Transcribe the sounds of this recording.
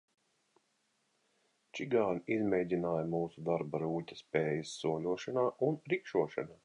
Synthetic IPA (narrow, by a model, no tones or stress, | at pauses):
t͡ʃiɡaːnizmʲɛjd̪ʲinaːjamuːsud̪aɾbaɾuːtʲḁspʲɛːjisːuɔlʲuɔʃanaːʔunɾikʃuɔʃa̰naː